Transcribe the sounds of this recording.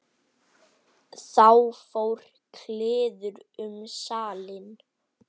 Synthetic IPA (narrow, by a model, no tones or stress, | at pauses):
θawfowɾ̥ | kʰlɪːðʏɾʏmsaːlɪn